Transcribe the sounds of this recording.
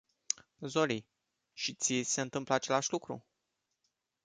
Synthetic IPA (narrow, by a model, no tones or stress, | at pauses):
zo̞li | ʃit̪sʲise̞ɨnt̪ɨmpləat͡ʃe̞laʃʲlukɾṵ